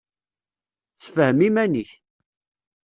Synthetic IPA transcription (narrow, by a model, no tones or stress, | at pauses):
θfəhəmimæniç